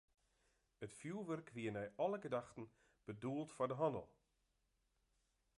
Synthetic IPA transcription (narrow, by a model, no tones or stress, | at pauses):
ətfjuːlˠʋørkʰʋiənɛjɔləɡədaxtən̩ | b̥əduəlˠtfɔrdəɦɔnə̰lˠ